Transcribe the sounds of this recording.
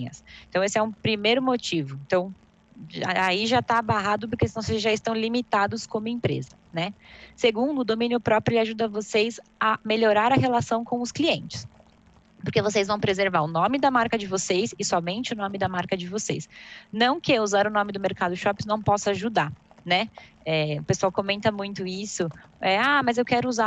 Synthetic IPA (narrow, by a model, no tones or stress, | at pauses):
ɐsẽnt̪ɐ̃w̃esɪɛũpɾimejɾʊmot͡ʃivʊẽnt̪ɐ̃w̃ | aaiʒat̪abaɦad̪ʊpʊɾkesɪnɐ̃w̃sejzʒaɪst̪ɐ̃w̃limit̪ad̪ʊskõmʊẽpɾḛzɐ | nɛseɡũnd̪ʊːd̪omĩnjʊpɾɔpɾʊelɪaʒud̪ɐvosejs | ɐmeʎoɾaɾɐɦelasɐ̃w̃kõw̃ʊskliẽnt͡ʃɪ̥s | poɾkevos̬ejzvɐ̃w̃pɾezeɾvaɾʊnõmɪd̪ɐmaɾkɐd͡ʒɪvosejsɪsɔmẽnt͡ʃɪʊnõmɪd̪ɐmaɾkɐd͡ʒɪvosejsnɐ̃w̃kɪuzaɾʊnõmɪd̪ʊmeɾkad̪ʊʃɔpĩnɐ̃w̃pɔsʊaʒud̪anɛ | ɛʊpesuawkomẽnt̪ɐmũj̃t̪ʊisʊ | ɛamɐzewkɛɾʊuza